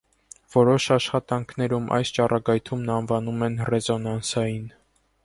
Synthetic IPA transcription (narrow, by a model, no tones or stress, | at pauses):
vɔɾɔʃɑʃχɑt̪ɑŋkʰnɛɾumʔɑ̰jst͡ʃɑrʔɑɡɑjt̪ʰumnɑnvɑnumɛnrɛzɔnɑnsɑjin